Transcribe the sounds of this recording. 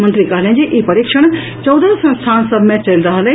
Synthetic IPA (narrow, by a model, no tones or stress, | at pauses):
mənt̪ɾikaːɾnẽd͡ʑeʔipɐɾiːkʃəɽ̃ | t͡ɕɐwd̪əsɐ̃nst̪ʰaːnsəbʱmẽt͡ɕɐlɾɐɦəl